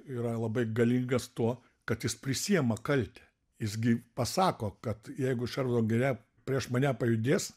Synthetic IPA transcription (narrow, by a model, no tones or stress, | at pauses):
iːɾɐlˠɐbɐɪɡɐlʲiːŋɡɐst̪uɔ | kɐt̪jɪspʲɾʲɪsʲijɛmɐkɐlʲt̪ʲɛ | jɪsɡʲɪpɐsɑːkoːkɐt̪jɛɪɡʊʃʲɛɾʋd̪oːɡʲɛɾʲæ | pʲɾʲiɛʃmɐnʲæpɐjʊd̪ʲeːs